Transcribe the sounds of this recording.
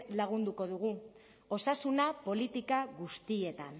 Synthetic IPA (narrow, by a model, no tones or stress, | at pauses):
laɣ̞und̪uko̞ðuɣu | o̞sasunapo̞lit̪ikaɣust̪ie̞t̪an